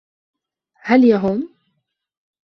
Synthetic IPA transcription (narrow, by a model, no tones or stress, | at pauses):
haljaɦʊm